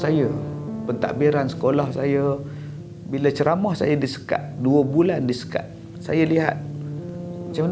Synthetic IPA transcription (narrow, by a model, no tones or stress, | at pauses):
sajəpənt̪a̰ʔbiɾansə̥kolahsajə | bilət͡ʃəɾamɔhsa̰jədisə̥ka̰t̪̚duəbulandisə̥ka̰t̪̚ | sa̰jəliɦa̰t̪̚ | mat͡ʃam